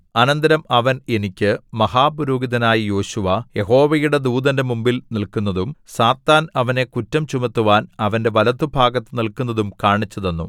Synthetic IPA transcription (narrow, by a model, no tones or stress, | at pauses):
ɐnɐnd̪ɐɾɐmɐʋɐne̞nikʲːɨmɐhaːpuɾoːɡiðɐnaːjijo̞ːɕuʋɐje̞ɦo̞ːʋɐjuɽe̞d̪uːd̪ɐnde̞mumbilnilkunːɐðumsaːt̪ːaːnɐʋɐne̞kutːɐmt͡ɕumɐt̪ːuʋaːnɐʋɐnde̞ʋɐlɐt̪ːubʱaːɡɐt̪ːɨnilkunːɐðumkaːɳit͡ɕːɐðe̞nːṵ